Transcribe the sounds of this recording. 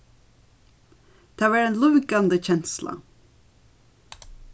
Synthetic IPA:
d̪̥ɑːʋæːɾeːnlʉːɡɑnd̪əçɛnslɑ̰

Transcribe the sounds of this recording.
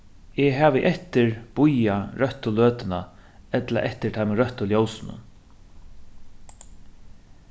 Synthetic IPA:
ɛɦaːʋɪʔɛht̪ɪɹb̥ʊjaɾœht̪ʊløːt̪ɪnaɛt̪la̰ʔɛht̪ɪɾt̪ʰajmɪɾœht̪ʊljowsɪnʊ̰n

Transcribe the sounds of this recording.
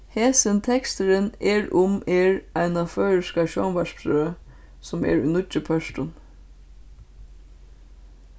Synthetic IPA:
heːsənt̪ʰɛkst̪əɾəneːɹʊmeːɹæɪnɑfœʏɾəʃkɑʃɔnʋɑʃpɾøːə | sɔmḛːɹʉnʊt͡ʃəpʰœʃʈʊn

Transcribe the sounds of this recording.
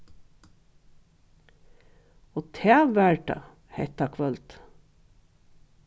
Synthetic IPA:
oːt̪ʰæːʋæɹɖɑ̰ | heɪt̪ɑkʰʋœlt̪

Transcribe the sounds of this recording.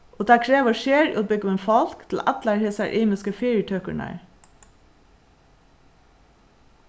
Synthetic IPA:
ʔoːd̪æːkʰɹeːʋəʃeːɹ̰ʔobʏɡəmenfɑlkt̪ʰl̩ʔæ̰t̪læɹheːsæ̰ɹʔiːmɪskəfeɹətʰœkəɳæ̰ɹ

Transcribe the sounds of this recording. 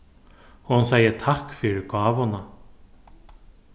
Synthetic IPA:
ɔhunsaːjət̪ʰahkfʏɾɪkaːvhɔna

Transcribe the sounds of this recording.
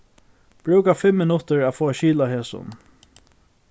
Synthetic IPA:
b̥ɾʉːkafɪmːɪnʊt̪əɹæfoːaʃiːlaɦeːsʊ̰n

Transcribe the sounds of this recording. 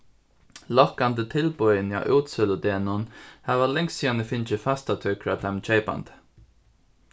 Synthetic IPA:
lɔkːand̪ət̪ʰɪlbʊjənja̰ʔuːt̪sœlʊd̪eːnʊnhaʋalɛŋssiːanəfɪnt͡ʃəfast̪at̪ʰʏkʰɾat̪ʰamt͡ʃeɪpa̰nt̪

